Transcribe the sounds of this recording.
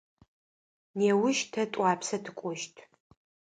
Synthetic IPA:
neːwʊʃtʰɐtʼɑːpsɐtʰɨkʷʼɔʃtʰ

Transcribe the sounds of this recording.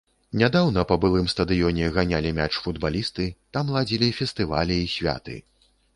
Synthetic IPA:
nʲad̪awnɐpɐbɨlˠɨmst̪ɐd̪ɨjɔnʲɛɣanʲalʲimʲat͡ʂfud̪balʲist̪ɨt̪amlˠad͡zʲilʲifʲɛst̪ɨva̰lʲiːsʲvʲa̰t̪ɨ̰

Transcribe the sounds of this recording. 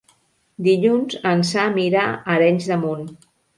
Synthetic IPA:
d̪iʎunzənsamiɾaəɾɛɲzðəmun

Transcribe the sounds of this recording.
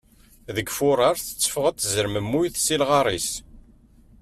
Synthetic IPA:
ðəɡfʊɾˤɑɾˤθə̥t͡sːə̥fəʁæt͡s̪ːzəɾməmːujθsilʁɑɾˤis

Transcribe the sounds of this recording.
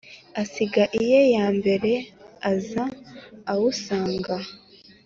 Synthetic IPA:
asiɡaʔije̞jaːmbe̞ɾe̞azaː | wusaːŋɡa

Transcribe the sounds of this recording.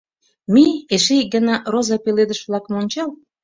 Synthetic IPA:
mieʃeɡə̆nɑrozɑpeled̪əʃβlɑkəmonʲt͡ɕɑl

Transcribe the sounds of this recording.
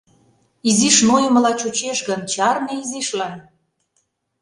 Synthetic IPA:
iziʃnojə̆mə̆lɑt͡ɕut͡ɕeʃɣənt͡ɕɑrneiziʃlɑn

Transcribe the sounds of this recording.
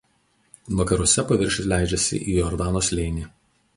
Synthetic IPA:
ʋɐkɐɾuɔsʲɛpɐʋʲɪɾʲʃʲɪslʲæˑɪd͡ʒʲɛsʲɪ̰ʔiːjɔɾd̪ɑːnoːslʲɛɪnʲi

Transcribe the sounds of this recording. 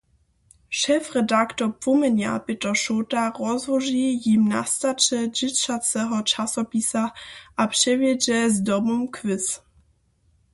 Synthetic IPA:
ʃɛfʁɛdaktɔpvɔmɛnja̰pɪtɔʃotaʁɔzvɔʒijimna̰st̪at͡ʃɛd͡ʒɪt͡ʃat͡sɛɦɔt͡ʃasɔpisaʔapʂɛvjɛd͡ʒɛzdɔmɔmkʰvɪs

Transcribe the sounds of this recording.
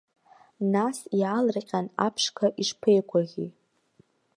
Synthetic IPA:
nasjaːlrqʲʼanapʰʂkʰaʔiʂpʰejkʷʰaɣʲi

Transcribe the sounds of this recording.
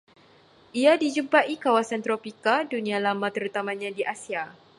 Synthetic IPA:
ʔiadid͡ʒumpaʔikawasant̪ɾopikadunĩalamãt̪əɾut̪amãɲãdiʔasia

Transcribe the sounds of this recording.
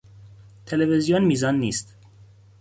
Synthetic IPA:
t̪ʰelevezijonmiːzɒnːiːst̪

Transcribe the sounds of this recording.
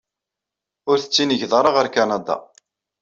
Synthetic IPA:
ʊɾθə̥t͡sːinəʝðɾˤɑʁəɾkanɑd̪ɑ̰

